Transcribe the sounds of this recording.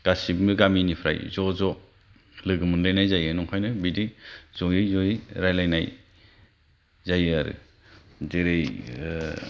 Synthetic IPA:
ɡ̥asikmɯɡaminipʰɾa̰jzɔzɔ | lɯɡɯmɯnlajnajzajɯnɔŋhʰɔjnɯbidiz̥ɔjɯzɔiɾajlajnaj | zajaɾɯ̰ | deɾej

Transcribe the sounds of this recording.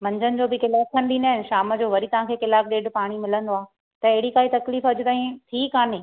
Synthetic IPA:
mɐ̃ɲd͡ʑənɪ̆d͡ʑoːbɪkɪlaːfkʰɐ̃nɪ̆ɗ̪iːn̆d̪aɦɪnɪʃaːmə̆d͡ʑoːʋɐɾit̪ɐʋ̤ãkʰeːkɪlaːkɗeːɖpaːɽ̃imɪlə̃nd̪oaː | t̪ɐeɦɪɽikaːit̪ɐkliːfɐd͡ʑʊt̪aːɦĩt̪ʰiːkaːnẽː

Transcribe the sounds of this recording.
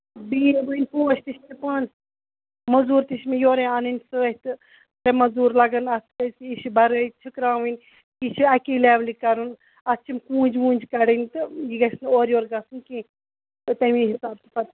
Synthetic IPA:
biːbɨinʲpoːt͡ʃʰt̪iʃtipɐːn | mɐzuːɾt̪iʃmejoːɾeaːnɨnʲsɨɐt̪ɨ | ɾɐmɐzuːɾlɐɡɐnɐst̪ʰkɐsiiʃibɐɾəit͡ʃʰikɾãːʋinʲ | it͡ʃʰiɐkiːlɛːblikɐɾun | ɐst͡ʃʰimkũːnd͡ʒʋũːnʲd͡ʒkɐɽint̪ɨjiɡɐsnoːɾjoːɾɡɐsɨnkĩː | t̪ɨt̪ɐmĩːɦisaːb̚t̪i̥pɐt̪

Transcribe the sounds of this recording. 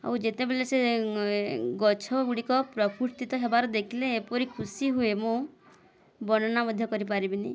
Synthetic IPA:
a̰wd͡ʒet̪ebelese | ɡɔt͡ʃʰɔɡuɽikɔpɾɔkʰuɾt̪it̪ɔɦebaɾɔd̪ekʰileːpɔɾikʰusiɦuemõ | bɔnɔnamɔd̪ʱjɔkɔɾip̬aɾibini

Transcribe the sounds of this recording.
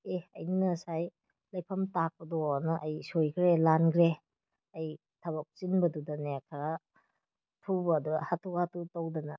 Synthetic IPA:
eɐ̰jnɐsaj | lɐjpʰɐmtak̚pɐdɔnɐʔɐjsojkʰɾelanɡʰɾe | ɐj | tʰɐbɐk̚t͡ʃinbɐdudɐnekʰaɾa | tʰubɐːduɡɐhatʰuhatʰutɐwdɐnɐ

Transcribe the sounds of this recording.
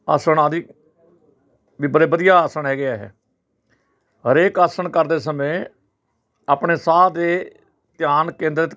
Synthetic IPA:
aːsəɳaːd̪i | ʋiːbəɾeːbəd̪ijaːaːsəɳɦɛːɡɪjaːɦɛ̰ː | ɦəɾeːkaːsəɳkəɾd̪eːs̬əmẽː | aːpɳeːsaːd̪eː | t̪ɪjaːnkẽːnd̪ɾət̪

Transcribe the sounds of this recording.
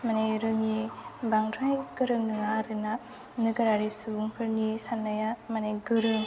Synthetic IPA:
maneɾɯŋibaŋdɾajɡ̥ɯɾɯŋnɯŋaɾɯna | nɯɡɯɾaɾisubuŋpʰɯɾnisanːajamaneɡɯɾɯŋ

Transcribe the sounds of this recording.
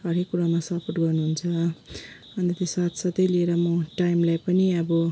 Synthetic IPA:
ʌɾekːuɾamasʌpʰoʈɡʌrnuɦunt͡sʰʌ | ʌnt̪et̪isat̪sʌt̪ʌjlieɾʌmʌʈajmlajpʌniʌbʌ

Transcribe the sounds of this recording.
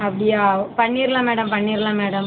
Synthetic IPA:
ɐpːɐɽɪjaːpɐɳːiːɾɐlãːmeːɽɐmpɐɳːiːɾlãːmeːɽɐm

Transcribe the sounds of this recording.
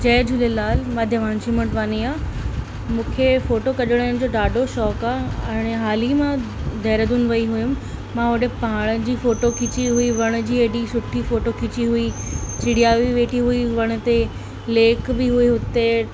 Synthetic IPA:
d͡ʑɐːd͡ʑʱʊlelaːlmaːd̪ʱjəʋãːnt͡ɕimɐʈʋaːniaː | mũːkʰefoːʈokɐʄəɽ̃ñɪ̃̆d͡ʑoːɗaːɖʱoʃɔːkaːɛ̃ːɽ̃eɦaːlimãd̪ʱɐːɾəd̪un̆ʋɐiɦʊjʊ̃ | mãɦʊɗepaːɽ̃əd͡ʑiːfoːʈokʰɪt͡ɕiɦuiʋɐɽ̃̆d͡ʑiːeɗisʊʈʰifoːʈokʰɪt͡ɕiɦuit͡ɕɪɽiaːʋiʋeːʈʰiɦuiʋɐɽ̃ʊ̆t̪e | leːkbɪɦuiɦʊt̪e

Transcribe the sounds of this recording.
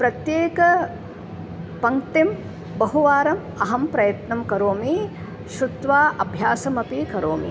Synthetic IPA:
pɾɐt̪jeːkɐ | pɐŋt̪im | bɐɦuʋaːɾɐm | ɐɦɐmpɾɐjɐt̪nɐmkɐɾoːmi | ʃɾut̪ʋaːʔɐbʱjaːsɐmɐpikɐɾoːmḭ

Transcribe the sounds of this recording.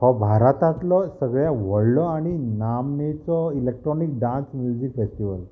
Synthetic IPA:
hɔbʱaɾat̪ãt̪lɔsəɡɭjaʋɔɽlɔaɽ̃inamnet͡sɔilek̚ʈɾɔnik̚ɖãnsmjud͡ʑikfesʈiʋəl

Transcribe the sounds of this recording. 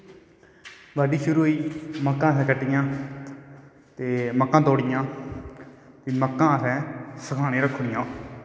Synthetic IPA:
baːɖiːʃʊɾuːɦoiːməkːãːsɛ̃ːkəʈːɪjãː | t̪eːməkːãːt̪oːɽɪjãː | t̪eːməkːãːəsɛ̃ːsəkʰaːñẽːɾəkʰːɳɪjãː

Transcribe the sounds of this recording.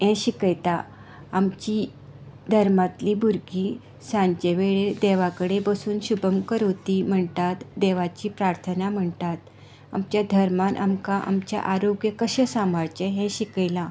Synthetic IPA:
ɦɛ̃ɕikjt̪a | amt͡ɕi | d̪ʱəɾmat̪liːbʱuɾɡi | sãɲt͡ɕeʋeɭed̪eʋakəɽebəsuːnɕubʱəmkəɾot̪iːm̤əɳt̪at̪d̪eʋat͡ɕiːpɾaɾt̪ʰənam̤əɳt̪at̪ | amt͡ɕjad̪ʱəɾmanʔa̰mkaʔa̰mt͡ɕja̰ʔaɾoɡjəkəɕəsamaɾt͡ɕeɦɛ̃ɕikəjla

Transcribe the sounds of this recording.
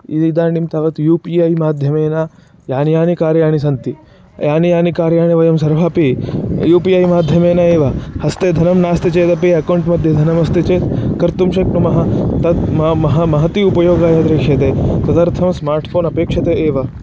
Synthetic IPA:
ḭd̪d̪aːɳimt̪aːʋɐt̪juːpiːaːjmaːd̪ʱjɐmeːna | jaːnijaːnikaːɾjaːɳ̃isɐnt̪i | jaːnijaːnikaːɾjaːɳ̃iʋɐjɐmsɐɾʋʱaːpijuːpiaːjmaːd̪ʱjɐmeːnaeːʋɐhɐst̪eːd̪ʱɐnɐmnaːst̪it͡ʃeːt̪ɐpiɐkɐwuɳʈmɐd̪ʱjɐd̪ʱɐnɐmɐst̪it͡ʃeːt̪kɐɾt̪umʃɐknumɐɦɐt̪ɐt̪mmɐɦɐmɐɦɐt̪iupɐjoːɡaːjɐd̪ɾeːʂɐt̪eːsɐt̪ɐɾt̪ʰɐmsmaːɾʈʰfʰoːnɐpeːkʂɐt̪eʔeːʋɐ

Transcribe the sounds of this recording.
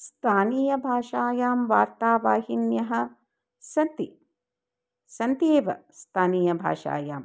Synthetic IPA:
st̪ʰaːniːjɐbʱaːʂaːjaːmʋaːɾt̪aːʋaːɦinjɐɦɐ̆ | sɐnt̪i | sɐnt̪eːʋɐ̰st̪ʰaːniːjɐbʱa̰ːʂa̰ːjaːm

